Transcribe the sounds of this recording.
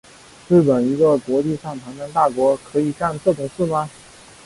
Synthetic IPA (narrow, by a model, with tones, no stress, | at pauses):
ɻ̩˥˩pə˨˩ni˧˥ɡə˥˧kwɔ˧˥t͡ɕi˥˧ʂɑ˥˩ŋt̪ʰa˧˥ŋna˧˥nt̪a˥˩kwɔ˧˥kʰɤ˧˥i˨˩ka˥˧nt͡sɤ˥˩ʈ͡ʂʊ˨˩ŋʂɹ̩˥˩ma˧